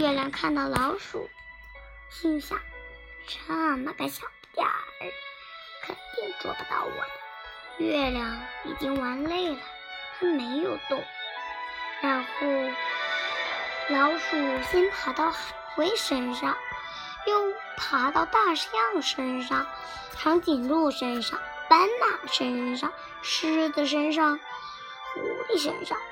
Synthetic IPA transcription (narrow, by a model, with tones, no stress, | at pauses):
ɥɛ˥˩ljɑ˧˩ŋkʰa˥˧nt̪ɑ˥˩ʊlɑ˧˥ʊʂṵ˨˩˦ | ɕi˥nɕa̰˥˩ŋ | ʈ͡ʂʰa˥˩ma˧˥pa˧˥ɪɕjɑ˨˩ | t̪ja̰˥˩˥ | kʰə̰˨˩n˥pɛ˥˩nt͡swɔ̰˥˩pu˧˩t̪ɑ̰˥˩ʊwa̰˨˩˦ | ɥɛ˥˩ljɑ˧˩˥ŋḭ˨˩t͡ɕi˥ŋwa˧˥nle˥˩ɪlə˩ | t̪ʰa˥me˧˥ɪjo˨˩ʊt̪ʊ˥˩ŋ | ɻa˧˥nxo˥˩ʊ | ljɑ˧˥ʊʂu˨˩˨ɕi˥npʰa˧˥t̪ɑ˥˩ʊxxwe˧˥ɪʂə˥nʂɑ˥˩ŋ | jo˥˩ʊ | pʰa˧˥t̪ɑ˥˧ʊt̪a˥˩ʂjɑ˥˩ŋd̪ə˨ʂə˥nʂɑ˥˩ŋ | t͡ɕʰɑ˧˥ŋt͡ɕi˨˩nlu˥˩ʂə˥nʂɑ˥˩ŋta˥nma˨˩ʂə˥nʂɑ˥˩ŋ | ʂɻ̩˥d̪ə˨ʂ̬ə˥nʂ̬ɑ˥˩ŋ | xṵ˨˧˥xe˥˩ʂ̬ə̰˥nʂɑ˥˩ŋ